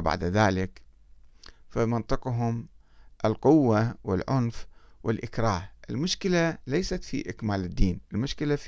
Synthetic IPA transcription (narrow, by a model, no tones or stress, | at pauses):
ba̰ʕd̪aðaːlɪk | famɪnt̪ˤɨqɦʊm | ʔɪlqʊwːawɪ̰lʕʊnfwɪlʔɪkɾˤɑːhʔɪlmʊʃkɪlalajsat̪fḭʔɪkmaːlɪd̪ːiːnʔɪlmʊʃkɪlaf